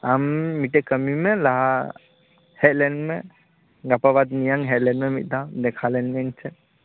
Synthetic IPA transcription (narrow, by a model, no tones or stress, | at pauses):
amːiʈɛkəmimɛlaɦa | hɛt̪̚lɛnmɛ | ɡapabad̪nijaŋɦɛt̪lɛnmɛmit̪̚ˀd̪ad̪ɛkʰalɛnmɛnt͡ʃʰɛ